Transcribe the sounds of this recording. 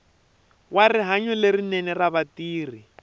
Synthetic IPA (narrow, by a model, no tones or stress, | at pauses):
wariɦaɲulerinɛnɛraβatiːri